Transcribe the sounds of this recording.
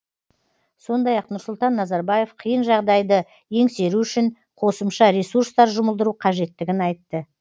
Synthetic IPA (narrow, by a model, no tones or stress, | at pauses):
so̞nd̪ɑjɑqnʊɾsʊlˠt̪ɑnːɑzɑɾbɑje̞fqʰəjənʒɑʁd̪ɑjd̪ə | je̞ŋse̞ɾuʏʃɪn | qʰo̞səmʃɑɾe̞suɾst̪ɑɾʒʊməlˠd̪əɾuqʰɑʒe̞t̪ːɪɡʲɪnɑjt̪ːə